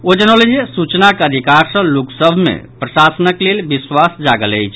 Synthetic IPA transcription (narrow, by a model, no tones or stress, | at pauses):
od͡ʒənolid͡ʒisut͡ʃnakeəd̪ʱikaɾsə̃luksəbʱmḛpɾəsasənəklelbiswasd͡ʒaɡələjt͡ʃʰ